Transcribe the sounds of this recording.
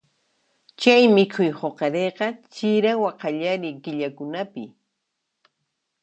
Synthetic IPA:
t͡ʃajmɪkʰʊjhoqɑɾeqɑt͡ʃɪɾawaqɑʎaɾɪkɪʎakʊnapɪ

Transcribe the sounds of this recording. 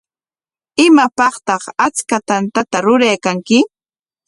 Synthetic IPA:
ɪmapɑχt̪ɑχat͡skat̪ant̪at̪aɾʊɾajkaŋkɪ

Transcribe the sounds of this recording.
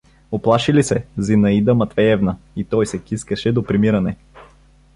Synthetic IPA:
oplˠaʃilisɛzinɐid̪əmɐt̪vɛɛvnəit̪ɔjsɛkiskəʃɛd̪opɾimiɾɐnɛ

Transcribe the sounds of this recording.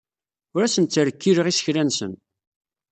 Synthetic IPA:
ʊɾæsənt͡sːəɾəkːiɾəʁisə̥çɾænsə̰n

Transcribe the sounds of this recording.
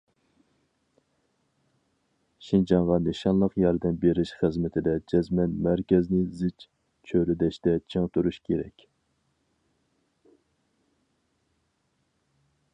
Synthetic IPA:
ʃind͡ʒɑɴʁɑnɪʃɑnlˠəqjɑɾd̪ɛnbeɾɪʃχɨzmɪt̪ʰɪd̪ɛd͡ʒɛzmɛnmæɾkʲɛznɪzɪt͡ʃ | t͡ʃʰøɾɪd̪ɛʃt̪ɛt͡ʃʰeŋt̪ʰuɾuʃkʲʰeɾɛ̰kʲ

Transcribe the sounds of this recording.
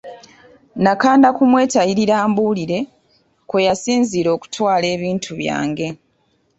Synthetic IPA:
nakaːndakumwe̞ːtajiɾiɾaːmbuːliɾe̞ | kwojasiːnziːɾo̞ːku̥twaːle̞ːβiːntʰuβja̰ːŋɡe̞

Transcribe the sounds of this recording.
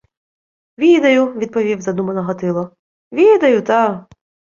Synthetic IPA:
ʋʲid̪ɐjʊʋʲid̪̚pɔʋʲiwzɐd̪umɐnɔɦɔt̪ɪlˠɔ | ʋʲid̪ɐjʊt̪a

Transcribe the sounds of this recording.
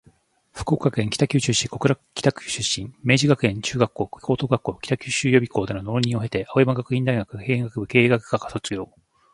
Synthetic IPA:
ɸɯ̥koːkakɯẽ̞ŋkʲi̥t̪akʲɨːɕɨɕiko̞kɯɾakʲi̥t̪akɯ̟̥ɕɨɕĩmme̞ːʑiɡakɯ̟ẽ̞ɲt͡ɕɨːɡakːo̞ːkkʰo̞ːt̪o̞ːɡakːo̞ːkʲi̥t̪akʲɨːɕɨːjo̞bʲikʰo̞ːd̪enono̞ːɲʲĩɰ̃o̞ɦe̞t̪e̞ʔaoimaɡakɯ̟ĩnd̪aiɡakɯ̟keːẽŋɡakɯbɯ̟ke̞ːɡakɯ̟ɡaɡaso̞t͡sɨɡʲo̞ː

